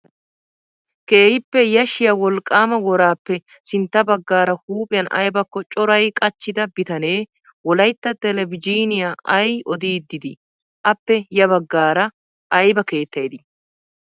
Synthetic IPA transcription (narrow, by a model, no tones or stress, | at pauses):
ke̞ːhɪpːɛjɐʃɪjɐwɔlkʼːaːmɐwɔɾaːpːɛ | sɪnt̪ːɐbɐɡːaːɾɐhuːpʼɪjɐnɐ̰jbɐkːɔt͡ʃʼɔɾɐjkʼɐt͡ʃːɪd̪ɐbɪt̪ɐne̞ː | wɔlɐjt̪ːɐt̪ɛlɛvɪd͡ʒiːnɪjaɐjɔd̪iːd̪ːɪd̪ɪ | ʔɐpːɛjɐbɐɡːaːɾɐ | ɐjbɐke̞ːt̪ːɐjd̪ɪ